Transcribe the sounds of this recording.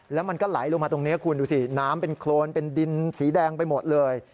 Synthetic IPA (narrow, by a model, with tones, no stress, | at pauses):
lɛː˦˥wma˧nkɔː˥˩la̰˩˦jlo˧ŋmaː˧t̪o˧ŋniː˦˥˨kʰu˧nduː˧si˧˩naː˦˥mpe˧nkʰloː˧npe˧ndi˧nsiː˩˦dɛː˧ŋpa˧jmo˨˩t̪̚lɤː˧j